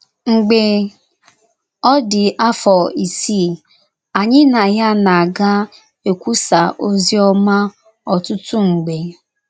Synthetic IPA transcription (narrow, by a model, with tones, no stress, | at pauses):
ŋ͡m̩˨ɡ͡be˨ | ɔ˦dɪ˨ʔa˦fɔ˨i˨si˦˨ | a˨ɲɪ˦na˨ja˦na˨a˨ɡa˦ | e˨kʷu˦sa˨ʔo˦zi˦ɔ˦ma˦ | ɔ˨tʊ˦tu˦ŋ͡m̩˨ɡ͡be˨